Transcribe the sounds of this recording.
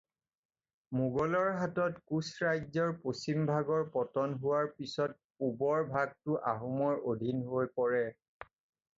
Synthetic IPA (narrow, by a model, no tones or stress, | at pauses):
muɡɔlɔɹɦatɔtkusɹajzɔɹposimbʱaɡɔɹpɔtɔnɦʊwaɹpisɔt̚ | ubɔɹbʱaɡ̚tʊʔaɦumɔɹʔodʱinɦojpɔɹɛ